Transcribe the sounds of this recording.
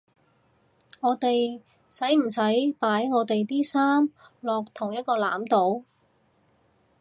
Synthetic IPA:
ŋɔː˨˧t̪e˨j | sɐ˨˥jm̩˨˩sɐ˨˥jpaː˨˥jŋɔː˨˧t̪e˨jt̪iː˥saː˥mlɔː˨k̚t̪ʰʊ˨˩ŋjɐ˥t̪̚kɔː˧la̰ː˨˥mt̪o˨˥w

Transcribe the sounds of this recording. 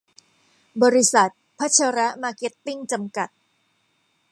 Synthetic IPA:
bɔː˧ɾi˦sa˨˩t̪̚pʰa˦˥t͡ɕʰa˧ɾa˦˥maː˧ke˦˥t̪ːi˥˩ŋt͡ɕa˧mka˨˩t̪̚

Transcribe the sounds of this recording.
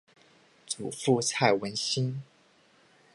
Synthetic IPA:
t͡su˨˩fu˥˧t͡sʰa˥˩ɪwə˧˥nɕi˥n

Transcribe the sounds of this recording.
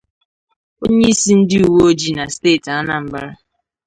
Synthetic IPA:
o˦ɲe˦i˦si˦n̩˦dɪ˦u˨wo˦o˦d͡ʒi˦na˨steː˦˨ta˦na˨m̩˨ba˦ɾa˦

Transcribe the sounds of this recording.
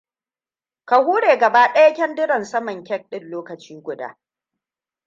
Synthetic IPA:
ka˨huː˦ɽeː˨ɡɐ˨baː˦ɗɐ˦jɐ˦kʲɛ˦ndɪ˦ɽɐ˨nsɐ˦mɐ˨ŋkʲɛ˦k̚ɗɪ˦˨nloː˦kɐ˨t͡ʃiː˦ɡʷʊ˨da̰ː˦

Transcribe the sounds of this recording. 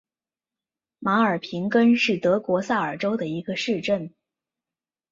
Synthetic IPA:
ma˧˥ə˞˨˩pʰi˧˥ŋkə˥nʂɻ̩˥˩t̪ɤ˧˥kwɔ˧˥sa˥˩ə˞˨˩ʈ͡ʂo˥ʊd̪ə˨i˧˥ɡə˧ʂɻ̩˥˧ʈ͡ʂə˥˩n

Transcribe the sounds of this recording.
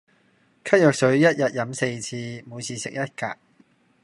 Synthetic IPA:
kʰɐ˥t̚jœː˨k̚sɵ˨˥ɥjɐ˥t̚jɐ˨t̚jɐ˨˥mse˧jt͡sʰiː˧muː˨˧jt͡sʰiː˨˧sɪ˨k̚jɐ˥t̚ka̰ː˧k̚

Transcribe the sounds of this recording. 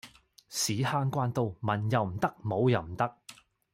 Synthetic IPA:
siː˨˥haː˧nkʷaː˧nt̪o˧wmɐ˨˩njɐ˨wm̩˨˩t̪ɐ˥k̚mo˨˧wjɐ˨wm̩˨˩t̪ɐ˥k̚

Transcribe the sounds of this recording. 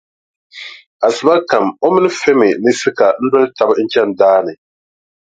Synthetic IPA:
a˨sɨ˨ba˦ka˨mo˦mɪ˦nɨ˦fɛ˦mɪ˨nɨ˦sɨ˦ka˨n̩˦dɛ˦lta˨bn̩˦t͡ʃɛ˦n˨daː˦nɨ˨

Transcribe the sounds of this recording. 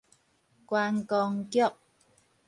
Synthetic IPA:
kwaː˧nkɔː˧ŋkjɔ˥˨p̚

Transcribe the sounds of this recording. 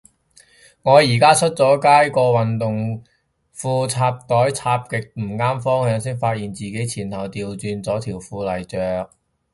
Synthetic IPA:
ŋɔː˨˧jiː˨˩kaː˥t͡ʃʰɵ˥t̚t͡sɔː˨˥kaː˥jkɔː˧wɐ˨nt̪ʊ˨ŋ | fuː˧t͡sʰaː˧p̚t̪ɔː˨˥jt͡sʰaː˧p̚kɪ˨k̚m̩˨˩kaː˥mfɔː˥ŋhœː˨˧ŋsiː˥ŋfaː˧t̚jiː˨nt͡siː˨ke˨˥jt͡sʰiː˨˩nt̪ʰɐ˨˩wt̪iː˨˧wt͡syː˧nt͡sɔː˨˥t̪ʰiː˨˩wfuː˧lɐ˨˩jt͡sœː˨˧k̚

